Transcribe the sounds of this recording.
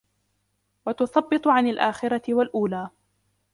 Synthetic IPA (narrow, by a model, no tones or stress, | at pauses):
wat̪ʊθˤɑbːɨt̪ˤʕanalʔaːxɪɾɑt̪ɪwalʔuːlaː